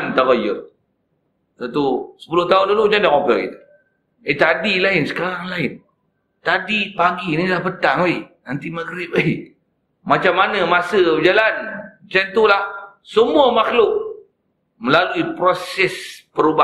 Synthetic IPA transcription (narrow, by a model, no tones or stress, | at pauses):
nt̪aɣojə | t̪at̪usə̥pulʊht̪aʊndulʊʔd͡ʒandaŋopəkḭt̪u̥ | et̪adilaɪnsə̥kaɾaŋlaɪn | t̪adipaɡinidlahpət̪aŋwejnant̪imaɡɾɪp̚wej | mat͡ʃamːanãmasəd͡ʒalant͡ʃant̪ulah | səmuəmaxlʊʔ | məlaluipɾosɛspəɾuba